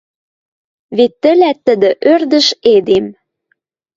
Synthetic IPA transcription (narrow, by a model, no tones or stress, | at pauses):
βet̪ːə̆læt̪ːə̆d̪ə̆ʔørd̪ə̆ʃed̪em